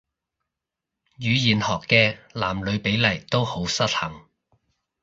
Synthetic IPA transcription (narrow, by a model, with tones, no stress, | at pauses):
jyː˨˧jiː˨˩nhɔː˨kːɛː˧laː˨˩mlɵ˨˧ɥpe˨˥jlɐ˨˩jt̪o˥who˨˥wsɐ˥t̚hɐ˨˩ŋ